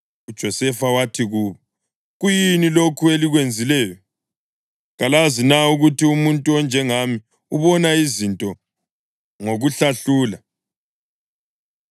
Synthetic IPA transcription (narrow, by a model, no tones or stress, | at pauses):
ud̥ʒ̥ʱɔsɛfawatʰiɣuːβɔ | ɣujinilokʰueliɣwend͡zʱilɛːjɔ | ɣalazinauɣutʰiumuntʼuɔnd͡ʒʱɛŋami | uβɔnaizintʼɔ | ŋoɣuɬaɬuːla